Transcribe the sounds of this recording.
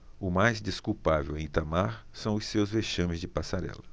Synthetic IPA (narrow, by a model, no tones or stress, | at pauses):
ʊmajzd̪eskuwpavewẽj̃t̪amaɾsɐ̃w̃ʊssewzveʃɐ̃mɪzd͡ʒɪpasaɾɛ̰lɐ